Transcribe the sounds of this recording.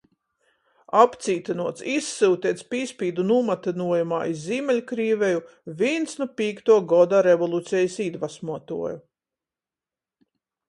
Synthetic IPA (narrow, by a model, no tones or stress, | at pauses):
apt̪siːt̪anuɔt̪sisːɨwt̪iɛt̪spʲiːspʲiːd̪unumat̪inuɔjuma̰ːizziːmʲɛlʲkɾiːveju | vʲinsnupiːkt̪uɔɡɔd̪aɾevɔlˠut̪sʲɛjisid̪vasmuɔt̪ṵɔju